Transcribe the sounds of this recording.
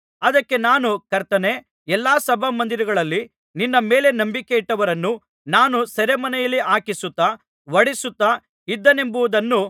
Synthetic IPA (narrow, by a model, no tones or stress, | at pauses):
ɐd̪ɐkːe̞naːnukɐɾt̪ɐne̞ | ɛlːaːsɐbʱɐmɐnd̪iɾɐɡɐɭɐlːi | ninːɐmeːle̞nɐmbikeiʈːɐʋɐɾɐnːu | naːnusɐɾemɐnɛjɐlːiʔaːkisut̪ːa | ʋɐɽisut̪ːa | id̪ːɐne̞mbuʋud̪ɐnːu